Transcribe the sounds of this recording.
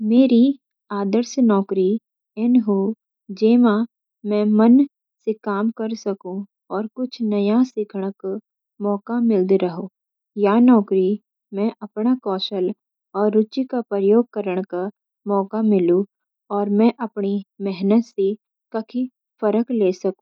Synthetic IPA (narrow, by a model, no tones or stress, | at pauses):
meːɾi | aːd̪əɾsnɔːkɾi | ɛnɦu | d͡ʒeːma | mɛ̃ːmɐn | sekaːmkɐɾsɐkũ | ɔːɾkʊt͡ʃʰnɐjasɪkʰəɽ̃k | mɔːkamɪld̪ɾɐɦõː | janɔːkɾi | mɛ̃ʔɐpɽakɔːʃəl | ɔːɾːʊt͡ʃikapəjoːɡ̚kəɾəɽ̃ka | mɔːkamɪlũ | ɔːɾmɛ̃ʔɐpɳimɛɦnət̪se | kɐkʰi | fəɾəkleːsɐkũ̥